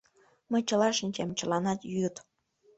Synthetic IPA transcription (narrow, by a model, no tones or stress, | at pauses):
məjt͡ɕəlɑʃənʲt͡ɕemt͡ɕə̆lɑnɑt̪jyt̪